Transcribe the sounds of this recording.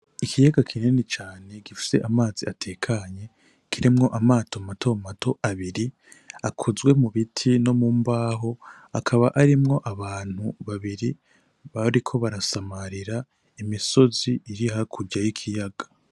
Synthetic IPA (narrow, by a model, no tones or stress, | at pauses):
ikʰijaɡakʰininit͡ʃaːne̞ɡifi̥se̞̰ʔamaːziatʰe̞ːkʰaɲe̞ | kʰiɾimŋo̞ʔamaːtʰomatʰo̞matʰo̞ʔaβiɾi | akʰozɡwe̞muβitʰino̞muːmbaːɦo̞ | akʰaβaʔaɾimŋo̞ʔaβaːn̥huβaβiɾi | βaɾikʰo̞βaɾasamaɾiɾa | imiso̞ziiɾiɦakʰuɟajikʰijaɡ̥ḁ